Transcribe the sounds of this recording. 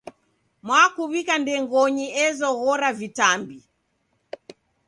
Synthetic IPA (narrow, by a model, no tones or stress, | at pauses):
mwakuβikandɛŋɡɔɲiɛzɔɣɔɾavitambi